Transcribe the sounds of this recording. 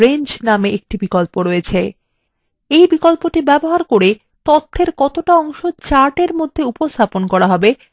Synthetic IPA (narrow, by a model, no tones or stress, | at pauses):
eɲd͡ʑnameek̚ʈibikolpoɾoet͡ɕʰe | ejbikolpoʈibɛboɦaɾkoɾe | t̪ot̪ʰːeɾkɔt̪oʈaɔŋʃot͡ɕaɾʈeɾmod̪ʱːeupost̪ʰaponkɔɾaɦɔbe